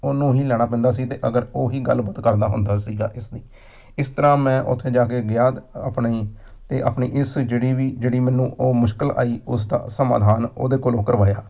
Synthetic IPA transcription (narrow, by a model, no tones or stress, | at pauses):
onːũːɦiːlɛːɽ̃aːpɛ̃ːnd̪aːs̬iːt̪eːʔəɡəɾoːɦiːɡəlbət̪kəɾd̪aːɦʊ̰nd̪aːsiːɡa̰ːʔɪsniː | ɪst̪əɾãːmɛ̃ːʔʊ̰t̪ʰːẽːd͡ʒaːkeːɡɪjaːd̪əpniː | t̪eːʔa̰ːpɳḭːʔɪsd͡ʒeːɽiːʋiːd͡ʒeːɽiːmɛːnũːʔoːmʊʃkəlʔa̰ːiːʊs̬d̪a̰ːsəma̰ːd̪ʱaːno̰ːd̪eːkoːloːkəɾʋaːjaː